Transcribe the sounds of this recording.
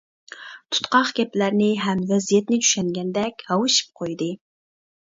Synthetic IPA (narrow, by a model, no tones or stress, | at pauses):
t̪ʰu̥t̪qɑχɡʲɛplæɾnɪɦɛmvɛzijɛt̪nɪt͡ʃʰy̥ʃɛŋɡʲɛnd̪ɛkʲhɑwɨʃi̥p̚qʰojd̪ɨ